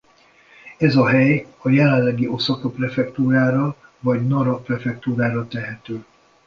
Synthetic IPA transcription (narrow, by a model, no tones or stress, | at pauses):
ɛzɒɦɛjɒjɛlɛlːɛɡiʔo̞sɒkoprɛfɛkt̪uːɾaːɾɒvɒɟnɒɾɒprɛfɛk̚t̪uːɾaːɾɒt̪ɛɦɛt̪øː